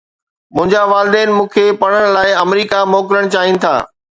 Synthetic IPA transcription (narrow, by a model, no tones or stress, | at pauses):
mʊ̃ɦɪ̃ɲd͡ʑaʋaːlɪd̪ɛːnɪ̆mũːkʰeːpɐɽ̃əɽ̃laːɪɐmɾiːkamoːkɾəɽ̃t͡ɕaːɦinɪ̆t̪ʰa̰ː